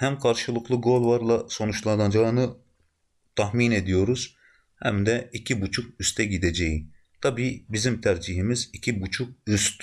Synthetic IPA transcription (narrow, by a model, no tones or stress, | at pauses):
hæmkʰɑɾʃɯlˠɯqlˠɯɡo̞lˠvɑɾlˠɑso̞nut͡ʃlˠɑnɑd͡ʒɑɯnɯ | t̪ʰɑhmine̞d̪ijo̞ɾuz̥ | hæ̰md̪ɛicʰibut͡ʃʰukyst̪ʰɛɟid̪ed͡ʒɛji | t̪ʰɑbiːbizimt̪ʰæɾd͡ʒiɦimizicʰibut͡ʃʰuk̚yst̪